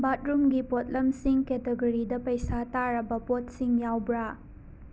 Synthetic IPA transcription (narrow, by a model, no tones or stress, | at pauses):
bat̚ɾumɡipot̚lɐmsiŋketeɡoɾidɐpɐjsataɾɐbɐpot̚siŋjawbɾa